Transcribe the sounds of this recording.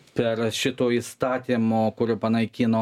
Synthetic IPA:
pʲɛɾʃʲɪt̪oːiːst̪ɑːt̪ʲimoːkʊɾʲopɐnɐɪkʲiːnoː

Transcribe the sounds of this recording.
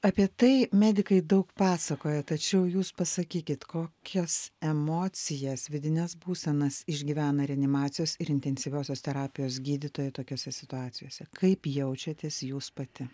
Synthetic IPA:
ɑpʲiɛt̪ɐɪmʲæːd̪ʲɪkɐɪd̪ɐʊkpɑːsɐkoːjɛt̪ɐt͡ʃʲɛʊjuːspɐsɐkʲiːkʲɪt̪koːkʲʰɛsɛmoːt͡ssʲɪjɛsʋʲɪd̪ʲɪnʲɛsbuːsʲɛnɐsɪʒʲɡʲiːʋʲæːnɐɾʲɛɐnʲɪmɑːt̪sʲɪjoːsɪɾɪnʲt̪ʲɛnʲsʲɪʋʲoːsʲoːst̪ʲɛɾɑːpʲɪjoːsɡʲiːd̪ʲɪt̪oːjɛt̪oːkʲoːsʲɛsʲɪt̪ʊɑːt̪sʲɪjoːsʲɛkʰɐɪpjɛʊt͡ʃʲɛt̪ʲeːsjuːspɐt̪ʲɪ

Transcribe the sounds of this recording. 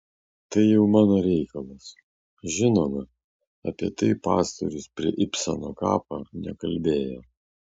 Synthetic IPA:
t̪ɐɪjɛʊmɑːnoɾʲɛɪkɐlˠɐs | ʒʲɪnoːmɐ | ɐ̰pʲiɛt̪ɐɪpɑ̰ːst̪o̰ɾʲʊspʲɾʲiɛʔɪpʲsɐno̰ːkɑ̰ːpɐ̰nʲɛkɐlʲbʲeːjo̰ː

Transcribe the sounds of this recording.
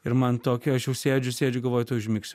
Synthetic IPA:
ɪɾmɐnt̪oːkʲɛɐʃjɛʊsʲeːd͡ʒʲʊsʲeːd͡ʒʲʊɡɐlˠʋoːjt̪oʊʒʲmʲɪːksʲtʲʊ

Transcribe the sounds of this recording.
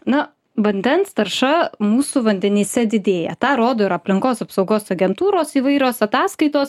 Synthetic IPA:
nɐ | ʋɐnʲd̪ʲɛnst̪ɐɾʃɐmuːsʊʋɐnʲd̪ʲɛnʲiːsʲɛd̪ʲɪd̪ʲeːjɛ̰t̪ɑːɾoːd̪oːɪɾɐpʲlʲɪŋkoːsɐpsɐʊɡoːsɐɡʲɛnt̪uːɾoːsiːʋɐɪɾʲoːsɐt̪ɑːskɐɪt̪oːs

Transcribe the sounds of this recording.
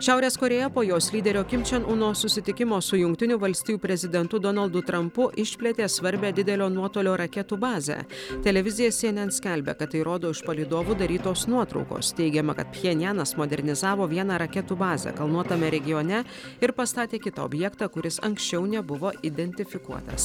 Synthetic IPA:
ʃʲæʊɾʲeːskoːɾʲeːjɛpoːjoːslʲiːd̪ʲɛɾʲoːkʲɪmʲt͡ʃʲɛnʔuːnoːsʊsʲɪt̪ʲɪkʲɪmoːsʊjʊŋk̚t̪ʲɪnʲʊʋɐlʲsʲt̪ʲɪjuːpʲɾʲɛzʲɪd̪ʲɛnt̪ʊd̪ɔnɐlˠd̪ʊt̪ɾɐmpʊʔɪʃʲpʲlʲɛt̪ʲeːsʋɐɾʲbʲæːd̪ʲɪd̪ʲɛlʲoːnuɔt̪oːlʲoːɾɐkʲɛt̪uːbɑːzʲæ̰t̪ʲɛlʲɛʋʲɪzʲɪjɛsʲiɛnʲɛnsʲkʲɛlʲbʲɛ̰kɐt̪ːɐɪɾoːd̪oːɪʃpɐlʲiːd̪oːʋuːd̪ɐɾʲiːt̪oːsnuɔt̪ɾɒ̰ʊko̰ːst̪ʲɛɪɡʲɛmɐkɐt̪̚pʲjʲɛnʲjæːnɐsmod̪ʲɛɾʲnʲɪzɑːʋoːʋʲiɛnɑːɾɐkʲɛt̪uːbɑːzʲɛ̰kɐlˠnuɔt̪ɐmʲɛɾʲɛɡʲɪjoːnʲɛ | ɪɾpɐst̪ɑːt̪ʲeːkʲɪt̪ɐo̰bʲjɛkt̪ɑkʊɾʲɪsɐ̰ŋksʲt͡ʃʲɛʊnʲɛbʊʋoːʔɪd̪ʲɛnʲt̪ʲɪfʲɪkuɔt̪ɐ̰s

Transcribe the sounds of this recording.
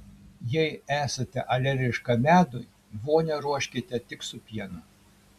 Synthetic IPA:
jɛɪæːsɐt̪ʲɛʔɐlʲɛɾʲɪʃkɐmʲæːd̪ʊj | ʋoːnʲɛɾuɔʃʲkʲɪt̪ʲɛt̪ʲɪksʊpʲiɛnɐ

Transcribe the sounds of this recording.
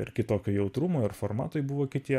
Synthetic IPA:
ɪ̰ɾkʲɪt̪oːkʲoːjɛʊt̪ɾʊmoːɪɾfoɾmɑ̰ːt̪ojbʊʋoːkʲɪt̪ʲiɛ

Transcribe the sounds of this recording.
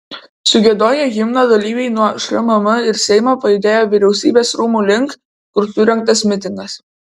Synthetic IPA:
sʊɡʲɛd̪oːjɛɣʲɪmnoːd̪ɐlʲiːʋʲɛɪnuɔʃʲɾʲɐmɐmɐɪɾsʲɛɪmoːpɐjɪd̪ʲeːjoːʋʲɪɾʲɛʊsʲḭːbʲeːsɾuːmuːlʲɪŋk | kʊɾsʊɾʲɛŋk̚t̪ɐsmʲɪt̪ʲɪŋɡɐs

